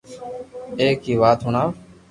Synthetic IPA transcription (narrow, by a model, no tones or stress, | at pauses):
eːkːiːʋaːt̪ɦʊnaː